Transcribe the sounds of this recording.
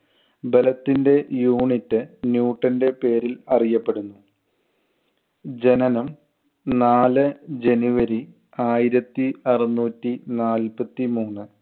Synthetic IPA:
belɐt̪ːinde̞juːɳitːɨnjuːʈːɐnde̞pe̞ːɾilɐrijɐpːe̞ɽunːu | d͡ʑe̞nɐnɐm | naːlɨd͡ʑe̞nuʋɐɾi | aːjiɾɐt̪ːiɐrɐnːuːtːinaːlpɐt̪ːimuːnːɨ

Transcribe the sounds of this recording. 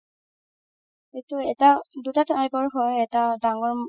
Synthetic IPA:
ejtuɛtadutatʰajbɔɹɦɔjɛtadaŋɔɹ

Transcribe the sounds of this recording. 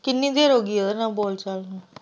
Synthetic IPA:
kɪnːĩːd̪eːɾoːɡiːod̪ənãːboːlt͡ʃalna

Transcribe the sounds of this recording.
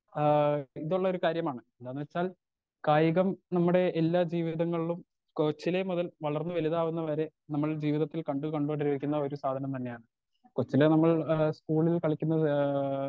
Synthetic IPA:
iðuɭːɐo̞ɾukaːɾjɐmaːɳɨeðaːnːɨʋɐt͡ɕːaːl | kaːjiɣɐmnɐmːuɽe̞ʔːlːaːd͡ʑiːʋiðɐŋːɐɭiɭum | kot͡ɕːile̞muðɐlʋɐɭɐrnːɨʋɐliðaːʋunːɐʋɐɾe̞ | nɐmːɐɭd͡ʑiːʋiðɐt̪ːilkɐɳɖukɐɳɖuʋɐɖiɾuikʲːunːɐo̞ɾusaːd̪ʱɐnɐmt̪ɐnːe̞jaːɳɨ | kot͡ɕːilenɐmːɐɭskuːɭilkɐɭikʲːunːɐ

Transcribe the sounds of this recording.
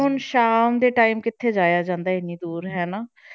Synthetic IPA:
ɦʊnʃaːmd̪eːʈaːiːmkɪt̪ʰːeːd͡ʒaːjaːd͡ʒãːnd̪aːɪniːd̪uːɾɦɛːnaː

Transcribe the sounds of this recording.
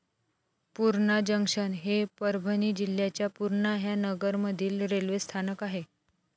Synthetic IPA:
puɾɳad͡ʑəŋkʂənɦepəɾbʱəniːd͡ʑilːjat͡ɕjapuɾɳaɦjanəɡəɾməd̪ʱiːlɾelʋest̪ʰanəkaɦe

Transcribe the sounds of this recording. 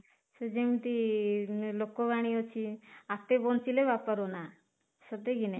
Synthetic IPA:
sed͡ʒemit̪i | lokobaɽ̃iot͡ʃʰiat̪ːebɔnt͡ʃilebapəɾona | sɔt̪eɡine

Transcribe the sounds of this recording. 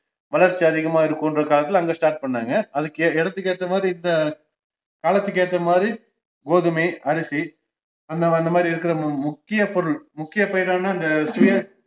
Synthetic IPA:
ʋɐlɐɾt͡ʃːiɐðɪɣɐmaːɪɾɯkːoːndrɐkaːlɐt̪ːɪlɐŋɡeːsʈaːɾʈ̚pɐɳːaːŋɡɐɐðɯkːɯɛɽɐt̪ːɯkːeːʈ̪ːɐmaːd̪ɾiɪnd̪ɐ | kaːlɐt̪ːɯkːeːʈ̪ːɐmaːd̪ɾi | ɡoːðɯmɐɪɐɾɪsi | ɐnɐɐɪnd̪ɐmaːd̪ɾiɪɾɯkːɪɾɐmʊkːɪjɐpɔɾɯɭmʊkːɪjɐpɐjɪɾaːnaːɪnd̪ɐsɪjɐ

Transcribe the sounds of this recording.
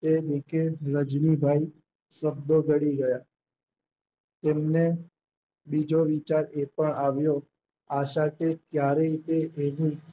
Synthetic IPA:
t̪eʋɪkeɾəd͡ʒnibʱai | səbd̪oɡəɽiɡəja | t̪emne | bid͡ʒoʋit͡ʃaɾepəɳaʋjo | aʃat̪ekjaɾəit̪eʔeʋũ

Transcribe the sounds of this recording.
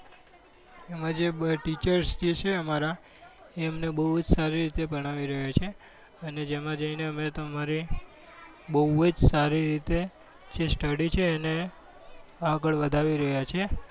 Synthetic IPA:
emãd͡ʒebəʈit͡ʃəɾsd͡ʒet͡ʃʰeəmaɾa | emnebəɦud͡ʒsaɾiɾit̪ebʱəɽ̃aʋiɾəɦjat͡ʃʰe | əned͡ʒemãd͡ʒəineəmet̪omaɾi | bəɦuəd͡ʒsaɾiɾit̪e | d͡ʒesʈəɽit͡ʃʰeːne | aɡəɭʋəd̪ʱaʋiɾəɦjat͡ʃʰe

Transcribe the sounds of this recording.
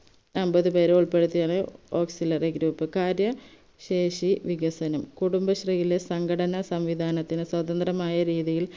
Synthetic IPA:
ɐmbɐðɨpe̞ːɾuɭpe̞ɽut̪ːijaːɳɨo̞ːksilɐreɡɾuːpːɨkaːɾjɐ | ɕe̞ːʂiʋiɡɐsɐnɐmkuɽumbɐɕrijile̞sɐŋɡʰɐɽɐnɐsɐmʋid̪ʱaːnɐt̪ːinɨswɐd̪ɐnd̪rɐmaːjɐɾiːðijil

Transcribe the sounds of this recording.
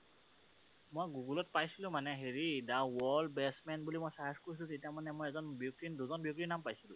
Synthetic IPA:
mojɡuɡulɔt̚pajsilʊ̃manɛɦeɹidawɔlbɛsmɛnbulimojsaɦaskoɹis̬lʊ̃zit̬iamanɛmojɛzɔnbiuk̚tinduzɔnbiuk̚tɹinːampajsilʊ̰̃

